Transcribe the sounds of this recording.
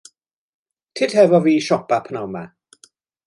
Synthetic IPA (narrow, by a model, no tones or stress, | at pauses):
tʰɪdhɛvɔviːʃɔpapʰənawma